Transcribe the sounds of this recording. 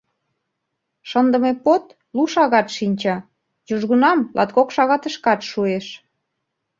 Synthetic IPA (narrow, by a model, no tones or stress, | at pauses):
ʃənd̪ə̆mepot̪ | luʃɑɣɑt̪ʃinʲt͡ɕɑ | juʒɣunɑmlʔɑ̰t̪kokʃɑɣɑt̪əʃkɑt̪ʃueʃ